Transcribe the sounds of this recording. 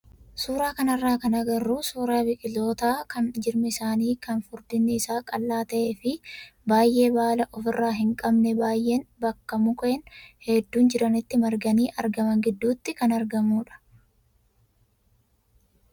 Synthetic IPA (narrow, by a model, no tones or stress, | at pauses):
suːɾaːkɐnɐrːaːkɐnɐɡɐrːuːsuːɾaːbɪkʼɪlo̞ːt̪aːkɐnd͡ʒɪɾmɛɪsaːniːkɐnfʊɾd̪ɪnːɛɪsaːkʼɐlːaːt̪ɐʔe̞ːfɪbaːjʔe̞ːbaːlɐʔɔfɪrːaːɦɪŋkʼɐbnɛbaːjːe̞ːnbɐkːɐmʊkʼɔɛnhɛd̪ːuːnd͡ʒɪɾɐnɪt̪ːɪmɐɾɡɐniːʔɐ̰ɾɡɐmɐŋɡɪd̪ːuːt̪ːɪkɐnɐɾɡɐmuːᶑɐ̥